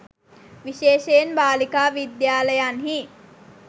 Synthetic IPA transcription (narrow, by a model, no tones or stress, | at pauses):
ʋiʃeːʃeːnbaːlikaːʋid̪jaːləjanɦi